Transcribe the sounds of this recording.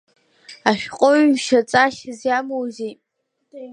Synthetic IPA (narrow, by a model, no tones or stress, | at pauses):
aʃᶣqʼoɥʃat͡sʼaʃɪzjamowzejtʼ